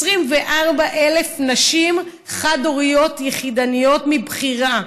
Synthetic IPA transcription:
sʁimveʔaʁbaʔe̞le̞fnaʃim | χadoʁijo̞tjeχidanijo̞tmibχiʁa

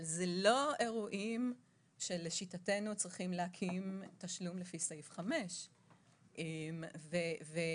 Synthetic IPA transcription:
alzelo̞e̞ʁuʔim | ʃeleʃitate̞nut͡sʁiχimleakʰimtaʃlumlefiseifχame̞ʃ | ʔemveve

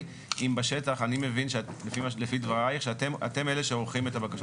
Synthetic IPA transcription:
ʔimbaʃe̞taχanimevinʃelefimalefid̪vaʁaiχʃetema̰te̞meleʃeolχime̞tabakaʃ

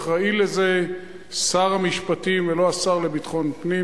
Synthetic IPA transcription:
χʁaileze | saʁamiʃpatimveloasaʁlebit̪χo̞npni

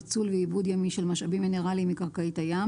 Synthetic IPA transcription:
t͡sulveibud̪jamiʃelmaʃabimːineʁalimikaʁkait̪aja

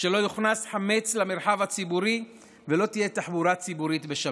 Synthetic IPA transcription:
ʃelo̞juχnasħame̞t͡slameɾħavat͡sibuɾi | velo̞t̪ije̞t̪aħbuɾat͡sibuɾit̪beʃa

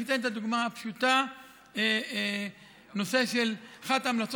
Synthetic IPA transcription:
it̪ent̪ad̪uɡmaapʃut̪a | e | no̞se̞ʃelaχat̪amlat͡s

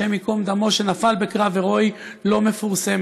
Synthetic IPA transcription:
emikomd̪amo̞ʃe̞nafalbe̞kʁaveʁo̞j | lo̞me̞fuʁsem

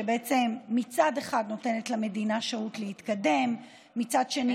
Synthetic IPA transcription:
ebeet͡se̞mːit͡sadeχad̪no̞te̞ne̞tlame̞dinaʃautleit̪kade̞mː | it͡sad̪ʃe̞ni

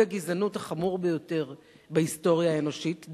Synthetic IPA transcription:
aɡizanuthaχamuʁbejo̞te̞ʁ | bahisto̞ʁjaeno̞ʃit

